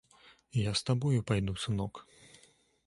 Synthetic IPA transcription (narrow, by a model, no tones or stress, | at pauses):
jast̪abɔjupajd̪usɨnɔk